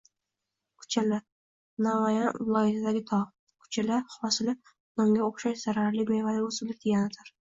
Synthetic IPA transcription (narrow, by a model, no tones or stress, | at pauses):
kʰʊ̥t͡ʃʰala | namajanvɪlˠɒjɪt̪ʰad̪aɡʲɪt̪ʰɒʁ | kʰʊ̥t͡ʃʰalaχɒsɪlɪ | nɒŋɡʲaoχʃaʃz̥aɾaɾlɪɡejvad̪aɵsɪblɪk̚ʲd̪̥ʰeɡʲanat̪ʰaɾ